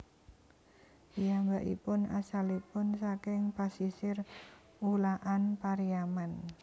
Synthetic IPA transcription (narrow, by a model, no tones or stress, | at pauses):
ijambaʔḭpʊna̰salipʊnsakɪŋpasisɪr | ulaʔanpaɾiaman